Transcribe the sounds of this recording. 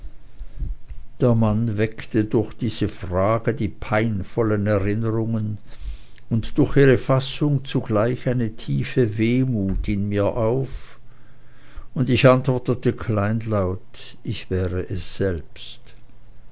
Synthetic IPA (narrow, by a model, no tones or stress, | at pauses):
d̥eːɐmanvɛktədʊɐxd̥iːz̥əfʁaːɡədiːpʰaɪnfɔlənɛʁɪnəʁʊŋən | ʊntd̥ʊɐxiːʁəfasʊŋt͡suɡ̥laɪçaɪnətʰiːfəveːmuːtɪnmiːɐʔaʊf | ʊndɪçʔantv̥ɔɐtətəkʰlaɪnlaʊt | ɪçv̥ɛːʁəʔɛsz̥ɛlpst